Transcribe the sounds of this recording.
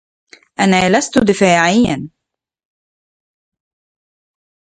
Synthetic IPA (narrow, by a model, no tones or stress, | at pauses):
ʔanaːlast̪ʊd̪ɪfaːʕɪjːan